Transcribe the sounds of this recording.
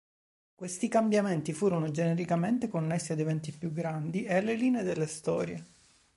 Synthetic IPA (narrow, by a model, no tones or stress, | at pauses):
kwest̪ikambjament̪ifuːɾonod͡ʒeneɾikament̪ekonːesːiad̪evɛnt̪ipjuɡːɾand̪iealːeliːneːd̪elːest̪ɔːɾjḛ